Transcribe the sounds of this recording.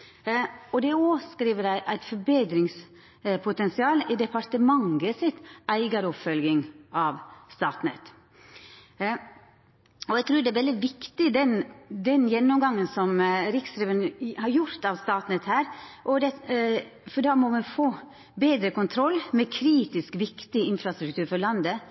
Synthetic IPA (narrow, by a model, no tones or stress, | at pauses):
ɔd̪ɛoskɾiːʋəɾæɪʔæɪt̪fɔɾbeːd̪ɾɪŋs | pʰʊt̪ɛnsɪɑːlɪd̪ɛpʰɑɾt̪əmɑŋɡəsɪt̪æɪɡɑɾəɔpfœlɡɪŋʔɑʋst̪ɑːt̪nɛ̰t̪ | ɔæɛɡt̪ʰɾʉːɾd̪ɛæʋɛld̪ɪʋɪkt̪ɪd̪ɛnd̪ɛnjɛnːɔmɡɑŋːənsɔmɾɪksɾɛːʋənhɑɾjʊɾt̪ɑʋst̪ɑːt̪nɛt̪hæːɾʔɔd̪ɛ | fɔɖɑːmɔmɛnfoː | beːd̪ɾəkʊnt̪ʰɾɔlːmɛkʰɾiːt̪ɪskʋɪkt̪ɪɪnfɾɑst̪ɾʉk̚t̪ʰʉːɾfɔɭɑnd̪ə